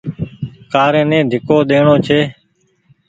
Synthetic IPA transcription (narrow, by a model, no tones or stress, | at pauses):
kaːɾẽːnẽːd̪ʱɪkoːɗ̪eːɳoːt͡ʃʰeː